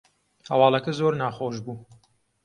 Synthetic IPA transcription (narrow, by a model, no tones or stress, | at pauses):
hɐwɑːlˠɐkɐzoːɾnaːxoːʒbuː